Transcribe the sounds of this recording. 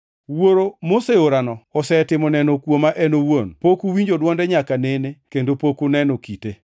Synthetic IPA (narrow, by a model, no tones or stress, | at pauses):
woɾomoseoɾanɔɔsɛtɪmɔnɛnɔkwomaʔɛnowonpokuwiɲd͡ʒodwɔndɛɲakanenekendopokonɛnɔkite